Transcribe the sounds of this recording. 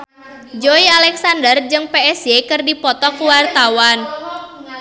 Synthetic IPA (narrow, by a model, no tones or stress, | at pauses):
d͡ʒoialɛksandərd͡ʒɨŋpeɛsjekɨrdipɔt̪ɔkuwart̪awan